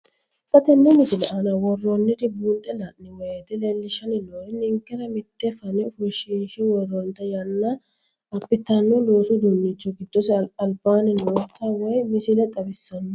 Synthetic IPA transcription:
pɐt̪ɛnːɛmɪsɪlɛʔɐnɐwɔrːɔnːɪd̪ɪbuːnt̪ʼːɛlɐʔːɪwɔjet̪ɛlelːɪʃɐnɪlɔnɪŋkːɪɾɐmɪt̪ːɛfɐnɪʊfʊʃiːʃɪwɔrɔnt̪ːɐjɐnːɐ | ɐpːɪt̪ːɐnːɔloːsʊd̪ʊnːɪt͡ʃːɔɡɪd̪̥ːɔsɪɐlbaːnɛnwɔt̪ːɐwɔjmɪsɪlɛt̪ʼɐbɛsːɐnːʊ

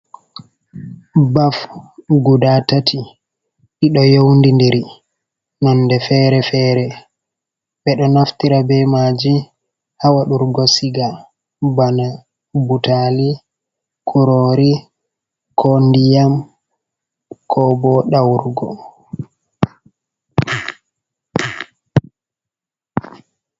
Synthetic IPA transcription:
bafɡudatatʰi | ɗiɗɔjowndindɛɾi | nɔnːdɛfɛːɾɛfɛːɾɛ | ɓɛɗɔnaftiɾabɛmad͡ʒi | hawaɗuɾɡɔsiɡa | bana | butali | kʰuɾoɾi | kʰondijam | kʰɔbɔɗawɾɡɔ̰

